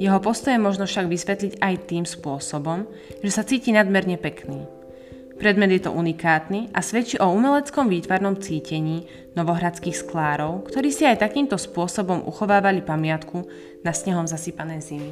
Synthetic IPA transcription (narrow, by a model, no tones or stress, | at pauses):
jɛɦɔpɔst̪ɔjɛmɔʒnɔfʃaɡʋisʋɛt̪liɟajt̪iːmspʊɔsɔbɔm | ʒɛsat͡siːcinad̪mɛɾɲɛpɛkniː | pɾɛd̪mɛd̪jɛt̪ɔ̰ʔunikaːt̪niʔasʋɛt͡ʃiʔɔumɛlɛt͡skɔmʋiːt̪ʋaɾnɔmt͡siːcɛɲiː | nɔʋɔɦɾat͡skiːxsklaːɾɔʊkt̪ɔɾiːsiajt̪akiːmt̪ɔspʊɔsɔbɔmʔṵxɔʋaːʋalipamɪat̪kʰu | nasɲɛɦɔmzasipanɛjzimi